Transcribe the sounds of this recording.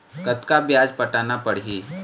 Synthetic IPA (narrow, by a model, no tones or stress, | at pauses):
kɐt̪kabjaːd͡ʒpɐʈaːnapɐɽɦiː